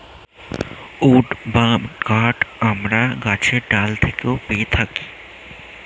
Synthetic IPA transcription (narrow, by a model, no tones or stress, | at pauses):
uːʈbaɡaːʈɐmɾaɡaːt͡ʃʰeɖaːlt̪ʰekopeːt̪ʰɐki